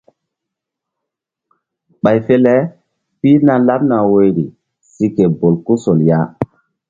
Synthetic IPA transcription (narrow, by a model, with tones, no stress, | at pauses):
ɓa˨jfe˦le˦ | pi˦na˦la˦p̚na˨wo˦jɾi˨ | si˦ke˨bo˨lku˦so˨lja˦